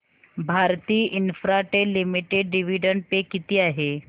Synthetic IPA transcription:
bʱaːɾt̪iːʔɪnfʰɾaʈelɪmiʈeɖɖɪʋiːɖəɳɖpekɪt̪iaːɦeː

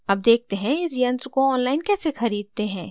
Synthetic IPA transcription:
ɐb̚d̪eːk̚ʰt̪eɦɛ̃ɪsjɐ̃nskoɔːnlaːɪnkɛːsexɐɾiːd̪̚t̪eɦɛ̃ː

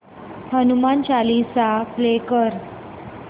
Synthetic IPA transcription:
hənumant͡ɕalisaplekəɾ

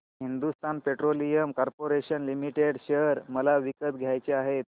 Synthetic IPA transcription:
ɦind̪ust̪ʰanpeʈɾolijəmkɔɾpoɾeɕənlimiʈeɽɕeɾməlaʋikət̪ɡʱjajt͡ɕeaɦet̪̚

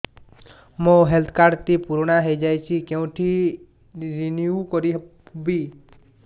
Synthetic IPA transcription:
mõɦelt̪ʰkaɾt̪ipuɾɳaɦeid͡ʒajt͡ʃʰikeũʈʰi | ɾiniukɔɾi | bi

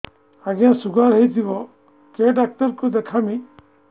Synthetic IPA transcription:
aɡãsuɡaɾɦejt̪ʰibɔ | keɖak̚ʈɔɾkud̪ekʰami

